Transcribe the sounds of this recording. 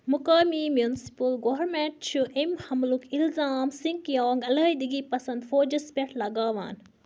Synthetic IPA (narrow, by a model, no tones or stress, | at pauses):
mʊkaːmimjunsi̥pɐlɡoʋɐɾmeɳʈ̚t͡ʃʰuʔemhɐmlukilzaːmsĩŋkjoːŋɡɐlɐːid̪iɡipɐsɐ̃nd̪foːd͡ʒɐspʲɐʈʰlɐɡaːʋa̰ːn